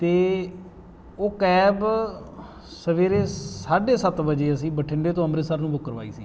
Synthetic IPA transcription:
t̪eː | oːkɛːb | səʋeːɾeːsaːɖeːsət̪ʋəd͡ʒeːəsĩːbəʈʰɪɳɖeːt̪õːəmɾesəɾnũːbʊkːəɾʋa̰ːḭːsiː

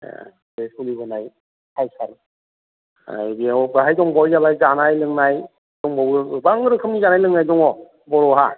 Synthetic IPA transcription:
besulibɔnaj | hajsaɾɯ | a̰jbiɔbɯɦajdɔŋbɔwjzabajzanajlɯŋnaj | zɔŋbawɯbaŋɯɾɯkʰɯmnizanajlɯŋnajzɔŋɔ | bɔɾɔɦa

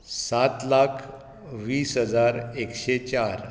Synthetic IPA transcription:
sat̪lakʰ | ʋiːsɦəd͡zaɾekɕet͡ɕaɾ

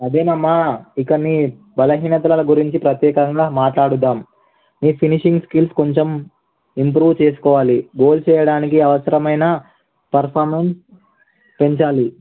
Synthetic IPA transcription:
ɐd̪eːnɐmːaikɐnːi | bɐlɐɦiːnɐt̪ɐlɐlɐɡuɾiɲt͡ʃipɾɐt̪jɛːkɐŋɡaːmaːʈlaːɽud̪ːaːm | niːpʰiniʂiŋɡskilskoɲt͡ʃem | impɾuːʋt͡ʃeːs̬u̥kɔːʋaːliɡo̞ːlt͡ʃɛːjɐɽaːnikiɐʋɐsɐɾɐmɐjnɐ | pɐɾpʰaːɾmens | peɲt͡ʃaːli

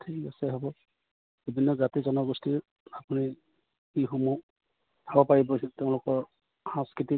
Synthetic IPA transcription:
tʰikasɛɦɔbɔ | bibʱinːɔzatizɔnɔɡɔsti | apuni | kiɦomu | pʰabɔpaɹibɔsiteʊ̃lʊkɔɹ | hãskɹiti

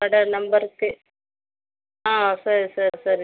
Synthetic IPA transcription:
ɐɽɐnɐmbɐɾkːɯ | aːsɐɾisɐɾsɐɾ

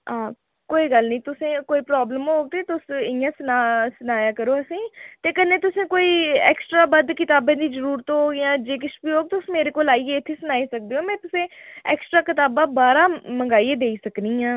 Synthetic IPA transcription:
ãː | koːiːɡəlnĩːt̪ʊsẽːkoːiːpɾɔːbləmɦoːɡ̚t̪eːt̪ʊsɪjãːsənaːsənaːjaːkəɾoːəsĩːt̪eːkənẽːt̪ʊsẽːkoːiːɛ̰ːksʈɾaːbəd̪kɪt̪aːbẽːd̪iːzəɾuːɾt̪ːoːjãːd͡ʒeːkɪt͡ʃbiːɦoːɡ̚t̪ʊsmeːɾeːkoːlaːieːɪt̪ʰːeːsʊnaːisək̚d̪eːɦõːmɛ̃ːt̪ʊsẽːɛ̰ːksʈɾaːkɪt̪aːbãːbaːɾãːməŋɡaːiːeːd̪eːisəknĩːãː

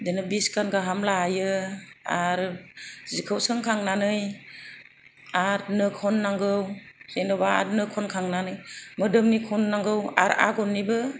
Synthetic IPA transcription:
denɯbiskanɡaɦamlaajɯaɾzikʰɯwsɯŋkʰaŋnanɯj | aɾnɯkʰɔnːaŋɡɯwzenɔbaaɾnɯkʰɔnkʰaŋnanɯjmɯdɯmnikʰɔnːaŋɡɯwa̰ɾa̰ɡɔnːibɯ

